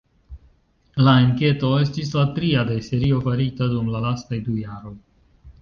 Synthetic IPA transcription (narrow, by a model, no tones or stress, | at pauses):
laeŋket̪oest̪islat̪ɾijad̪ejseɾiofəɾit̪əd̪umlalast̪ajd̪ujaɾul